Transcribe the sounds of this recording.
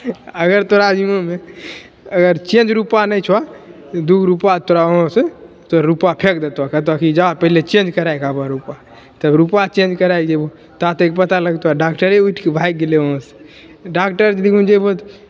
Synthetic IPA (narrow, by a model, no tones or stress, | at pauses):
əɡəɾt̪oɾad͡ʒimome | əɡəɾt͡ʃẽnd͡ʒɾupanəjt͡ʃʰwa | d̪uɡʱɾupat̪oɾaoɦõse | t̪oɾupapʰekd̪et̪akət̪akid͡ʒapəɦilet͡ʃẽnd͡ʒkəɾajkabaɾupa | t̪əbɾupat͡ʃẽnd͡ʒkəɾajkd͡ʒebo | t̪at̪ek̚pət̪aləɡt̪aɖakʈəɾeuiʈʰkebʱajk̚ɡeleoɦõse̥ | ɖakʈəɾd͡ʒd̪ikʰũnd͡ʒebot̪